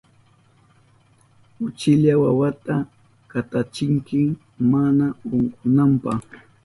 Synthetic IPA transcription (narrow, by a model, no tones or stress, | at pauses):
ʊt͡ʃɪʎawawat̪a | kat̪at͡ʃɪŋkɪ | manaoɴqʊnampɑ̰χ